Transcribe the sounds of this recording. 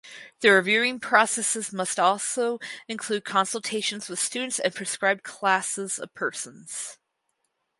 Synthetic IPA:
ðɨɹɨvjʉɪ̃ŋpʰɹ̥ɑsɛsɨzmʌstɔlˠsoʊɨ̃nkʰl̥ʉd̚kʰɑ̃nsl̩ˠtʰeɪʃɨ̃n̩zwɨð̥stʉdⁿn̩tsɨ̃npʰɹ̥ɨskɹaɪb̚kʰl̥æsəzʌ̰v̥pʰɜ˞sə̃n̩z̥

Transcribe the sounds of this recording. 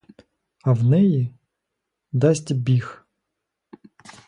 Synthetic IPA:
ɐwnɛji | d̪ɑsʲtʲbʲix

